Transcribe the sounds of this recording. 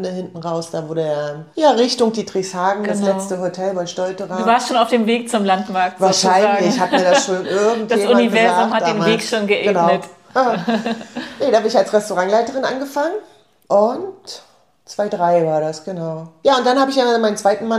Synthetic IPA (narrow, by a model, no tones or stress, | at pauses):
nəhɪntn̩ʁaʊsd̥aːvʊɐɾəajaːʁɪçtʊŋdiːtʁ̥ɪçshaːɡŋ̩ɡdaslɛt͡stəhotʰɛlbaɪʃtɔltəʁaduːvaɐstʃoːnaʊfd̥eːmveːk̚t͡sʊmlantmaɐk̚tvaɐʃaɪanlɪçhatmiːɐdaʃoːnʔɪɐɡŋ̩td̥ajeːunivɛɐzʊmhatdd̥eːnveːkʃoːnɡəʔeəːnaʊnət | a | nədaːbɪnɪçalsʁɛstoʁaŋlaɪtəʁɪnʔa̰nɡəfaŋən | ʔʊnt | t͡sv̥aɪdʁaɪvaːɐɾasɡ̥ənaʊjaːʊntd̥anhaːbəɪçjanmaɪnənt͡sv̥aɪtn̩ma